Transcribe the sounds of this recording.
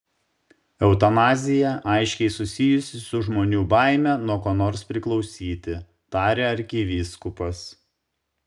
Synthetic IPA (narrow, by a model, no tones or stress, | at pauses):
ɛʊt̪ɐnɑːzʲɪjɛʔɑˑɪʃʲkʲɛɪsʊsʲɪjʊsʲɪsʊʒmoːnʲuːbɑˑɪmʲɛnuɔkoːnoːɾspʲɾʲɪklˠɒʊsʲiːt̪ʲɪ | t̪ɑːɾʲeːɐɾʲkʲɪʋʲiskʊpɐs